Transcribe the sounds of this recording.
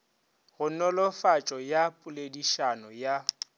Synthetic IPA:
ɣʊnɔlɔfat͡ʃʼɔjapʼʊlediʃanɔja

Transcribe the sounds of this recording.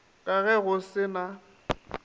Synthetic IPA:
ɣʼaɣɛɣʊsɪna

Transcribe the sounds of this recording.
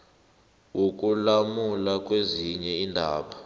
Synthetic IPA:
wok̬ʼulamulak̬ʼweziɲɛiːndʱaːɓa

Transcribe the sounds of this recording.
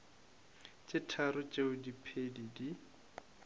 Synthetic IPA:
t͡ʃʼɪtʰaɾʊt͡ʃʼeʊdipʰedidi

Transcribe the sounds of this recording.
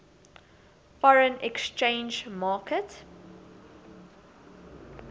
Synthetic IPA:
fɔɹə̃nɛkst͡ʃẽnd͡ʒmaːkət

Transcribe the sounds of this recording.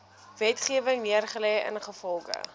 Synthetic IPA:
vɛtχiəvəŋniərχəlɛjə̰nχəfɔlˠχə̰

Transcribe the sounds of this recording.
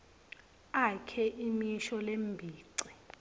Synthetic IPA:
akʰɛʔimiʃɔlembʱiːǀi̥

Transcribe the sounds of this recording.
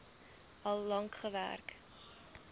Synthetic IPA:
ɐlˠːɐŋkχəvæ̰rk

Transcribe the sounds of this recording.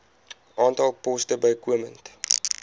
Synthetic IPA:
ʔɑːntɐlˠpɔstəbɐjkuəmənt

